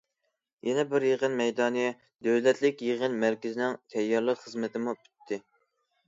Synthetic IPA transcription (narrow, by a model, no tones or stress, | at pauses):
jɛnɛbɪɾjəʁənmɛjd̪ɑːnɨ | d̪øwlɛt̪lɪkʲjeʁənmæɾkʲɪzɪnɪŋt̪ʰɛjːɑɾlˠəqχəzmɪt̪ʰɪmupʰy̥t̪ʰːɪ